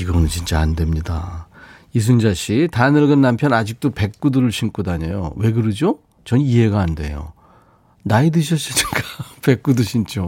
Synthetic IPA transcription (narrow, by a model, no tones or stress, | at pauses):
iɡʌnɯnt͡ɕint͡ɕ͈aande̞mɲida̰ | is̬ʰund͡ʑaɕʰitanɯɭɡɯnːampʰjʌnad͡ʑik̚t͈ope̞k̚k͈udɯɾɯɭɕʰink͈udaɲḛjo̰we̞ɡɯɾɯd͡ʑo | t͡ɕʌniɦe̞ɡaːnde̞̰jo̰ | naidɯɕʰʌɕ͈iɲik͈ape̞k̚k͈uduɕʰint͡ɕ͈o